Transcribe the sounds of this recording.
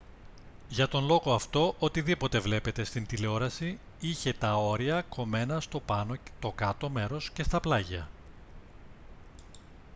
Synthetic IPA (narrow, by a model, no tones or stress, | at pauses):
ʝɐt̪o̞nlo̞ɣo̞ɐft̪o̞ʔot̪iðipo̞t̪e̞vle̞pe̞t̪e̞st̪int̪ileo̞ɾɐsi | içe̞t̪ɐo̞ɾiɐko̞me̞nɐst̪opɐnot̪o̞kɐt̪o̞me̞ɾo̞sce̞st̪ɐplɐʝɐ